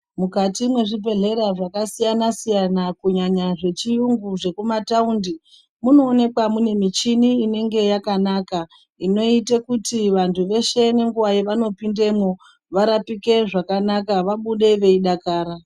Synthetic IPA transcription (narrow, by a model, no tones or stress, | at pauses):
mukatimwe̞ʐibʱe̞ɮe̞ɾaʐakasijanasijanakuɲaɲaʐe̞t͡ʃijuŋɡuʐe̞kumataundi | muno̞ːne̞kwamune̞mit͡ʃiniːne̞ŋɡe̞jakanaka | ino̞itekutiʋantʰuʋe̞ʃeneŋɡuwaiʋano̞pinde̞mo | ʋaɾapike̞ʐakanakaʋaɓuɗe̞ʋe̞iɗakaːɾa